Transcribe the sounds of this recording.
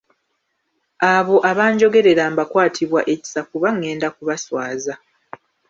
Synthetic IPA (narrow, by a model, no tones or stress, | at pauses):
aβo̞ʔaβaːɲɟo̞ɡe̞ɾe̞ɾaːmbakwaːtʰiβwaʔe̞ci̥safuβaŋːe̞ːndakuβaswaːza